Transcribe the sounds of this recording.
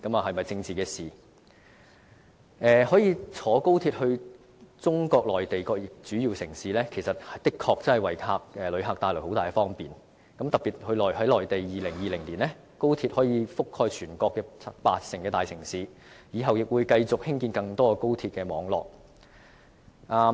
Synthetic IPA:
kɐ˨˥mɐ˨ɦɐ˨jmɐ˨˩jt͡sɪ˧ŋt͡siː˨kɛː˧siː˨˩ | ʔɛː˨hɔː˨˥jiː˨˧t͡sʰɔː˨˥ko˥wt̪ʰiː˧t̚hɵ˧ɥ | t͡sʊ˥ŋkɔː˧k̚lɔː˨˩jt̪e˨jkɔː˧k̚jɪ˨k̚t͡syː˨˥jiː˨wsɪ˨˩ŋsiː˨lɛː˥kʰe˨˩jsɐ˨t̚ht̪ɪ˥kʰːɔː˧k̚t͡sɐ˥nhɐ˨˩jwɐ˨˩jkʰaː˧k̚ʔɛː˨˩lɵ˨˧ɥɦa˨k̚t̪aː˧jlk̚ho˨˥wt̪aː˨jkɛ˧fɔː˥ŋpiː˨˩n | kɐ˨˥mt̪ɐ˨˩piː˨˩t̚hɵ˧ɥlɔː˨˩jɦɐ˨˥jlɔː˨jt̪e˨jjiː˨˩lɪ˨˩ŋjiː˨˩lɪ˨˩ŋliː˨˩nlɛː˥ | ko˥wt̪ʰiː˧t̚hɔː˨˥jiː˨˧fʊ˥khɔː˧jt͡ʃʰyː˨˩nkɔː˧kːɛː˧paː˧t̚sɪ˨˩ŋkɛː˧t̪aː˨jsʰɪ˨˩ŋsiː˨˧ | jiː˨˧ɦɐ˨wjɪ˨k̚wuː˨˧jkɐ˧jt͡sʊ˨k̚hɪ˥ŋkiː˧nkɐ˧ŋt̪ɔː˥˧ko˥wt̪ʰiː˧t̚kɛː˧mɔː˨˧ŋlɔ̰ː˨k̚ | ʔaː˧

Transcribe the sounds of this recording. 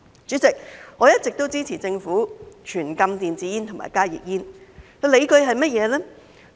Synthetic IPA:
t͡ʃyː˨˥t͡sɪ˨k̚ŋɔː˨˧jɐ˥t̚t͡sɪ˨k̚t̪o˥wt͡siː˥t͡sʰiː˨˩t͡sɪ˧ŋfuː˨˥t͡ʃʰyː˨˩nkɐ˧mt̪iː˨nt͡siː˨˧jiː˥nt̪ʰo˨˩ŋma̰ː˨˩jkaː˥jḭː˨k̚jiː˥nkɵ˧le˨˧jkɵ˧ɥɦɐ˨jmɐ˥t̚jɛː˨˧lɛː˥

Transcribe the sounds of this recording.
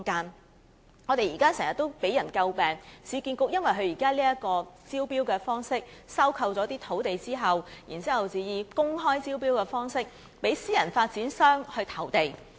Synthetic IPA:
kaː˥n | ŋɔ˨˧t̪e˨jiː˨˩kaː˥sɛ˨˩ŋjɐ˨˩t̪ːo˥wpe˨˥jɐ˨˩nkɐ˧wpɛː˨˩ŋsiː˨˧kiː˧nkʊ˧k̚jɐ˥nwɐ˨jɦɵ˧ɥjiː˨˩kaː˥liː˥jɐ˥t̚kɔː˧t͡siː˥wpiː˥wkɛː˧fɔː˥ŋsɪ˥k̚sɐ˥wkʰɐ˧wt͡sɔː˨˥t̪iː˥t̪ʰo˨˥wt̪e˨jt͡siː˥ɦɐ˨wjḭ˨˩nt͡siː˥hɐ˨wt͡siː˨jiː˧kʊ˥ŋɦɔː˥jt͡siː˥wpiː˥wkɛː˧fɔː˥ŋsɪ˥k̚ | pe˨˥jsiː˥jɐ˨˩nfaː˧t̚t͡siː˨˥nsœː˥ŋhɵ˧t̪ʰɐ˨˩wt̪e˨j

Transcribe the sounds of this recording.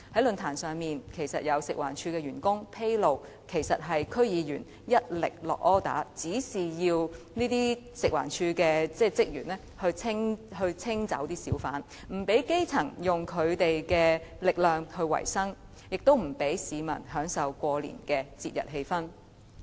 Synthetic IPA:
hɐ˨˥jlɵ˨˧nt̪ʰaː˨˩nsœː˨ŋmiː˨nkʰe˨˩jsɐ̰˨t̚jɐ˨˧wsɪ˨k̚wa̰ː˨˩nt͡ʃʰyː˧kɛː˧jyː˨˩nkʊ˥ŋpʰe˥jlo˨w | kʰe˨˩jsɐ˨t̚ɦɐ˨jkʰɵ˥ɥjiː˨˧jyː˨˩n | jɐ˥t̚lɪ̰˨k̚lɔː˨k̚ɔː˥t̪a̰ː˨˥t͡siː˨˥siː˨jiː˧w | niː˥t̪iː˥ | sɪ˨k̚wa̰ː˨˩nt͡ʃʰyː˧kɛː˧t͡sɛː˥˩t͡sɪ˥k̚jyː˨˩nɛː˥ | hɵ˧ɥt͡sʰɪ˥ŋhɵ˧ɥt͡sʰɪ˥ŋt͡sɐ̰˨˥wt̪iː˥siː˨˥wfaː˨˥n | m̩˨˩pe˨˥jke˥jt͡sʰɐ˨˩ŋjʊ˨ŋkʰɵ˨˧ɥt̪e˨jkɛː˧lɪ˨k̚lœː˨ŋhɵ˧ɥwɐ̰˨˩jsɐ˥ŋ | jɪ˨k̚t̪o˥wm̩˨˩pe˨˥jsiː˨˧mɐ̰˨˩nɦœː˨˥ŋsɐ˨wkʷɔː˧lḭː˨˩nkɛː˧t͡sḭː˧t̚jɐ̰˨˩t̚ɦe˧jfɐ˥n

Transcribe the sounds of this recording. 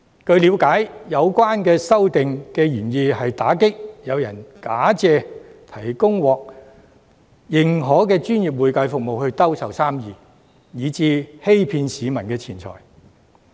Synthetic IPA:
kɵ˧ɥliː˨˧˥wkaː˨˥jjɐ˨˧wkʷwaː˥nkɛː˧sɐ˥wt̪ɪ˨ŋkɛː˧jyː˨˩njiː˨˧hɐ˨jt̪aː˨˥kɪ˥k̚jɐ˨˧wjɐ˨˩nkaː˨˥t͡sɛː˧t̪ʰɐ˨˩jkʊ˥ŋwɔː˨k̚ | jɪ˨˩ŋɦɔː˨˥kɛː˧t͡ʃyː˥nji˨p̬̚wuː˨jkɐ˧jfʊ˨k̚mo˨whɵ˧ɥt̪ɐ˥wsɐ˨wsaː˥mjiː˨˧ | jiː˨˧t͡siː˧he˥jpʰiː˧nsiː˨˧mɐ˨˩nkɛː˧t͡sʰiː˨˩nt͡sʰɔ̰ː˨˩j

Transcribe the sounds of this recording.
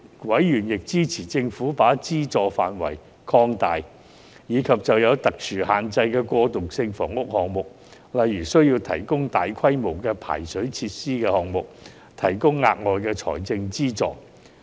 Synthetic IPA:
wɐ˨˥jjyː˨˩njɪ˨k̚t͡siː˥t͡sʰiː˨˩t͡sɪ˧ŋfuː˨˥paː˨˥t͡siː˥t͡sɔː˨fa̰ː˨nwɐ̰˨˩j | kʰɔː˧ŋt̪aː˨j | jiː˨˧kʰɐ˨p̚t͡sɐ˨wjɐ˨˧wt̪ɐ˨k̚t͡ʃʰyː˨˩haː˨˩nt͡sɐ˧jkɛː˧kʷɔː˧t̪ʊ˨ksɪ˧ŋfɔ̰ː˨˩ŋʊ˥k̚hɔː˨ŋmʊ˨k̚ | lɐ˨jːyː˨˩sɵ˥ɥjiː˧wt̪ʰɐ˨˩jkʊ˥ŋt̪aː˨jkʰɐ˥jmo˨˩wkɛː˧pʰa̰ː˨˩jsɵ˨˥ɥt͡sʰiː˧t̚siː˥kɛː˧hɔː˨˩ŋmʊ˨k̚ | t̪ʰɐ˨˩jkʊ˥ŋːa̰ː˧t̚ŋɔː˨jkɛː˧t͡ʃʰɔ̰ː˨˩jt͡sɪ˧ŋt͡siː˥t͡sɔ̰ː˨˧

